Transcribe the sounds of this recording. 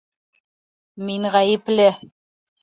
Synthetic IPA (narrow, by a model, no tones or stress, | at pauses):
miŋʁæjɘ̆plɘ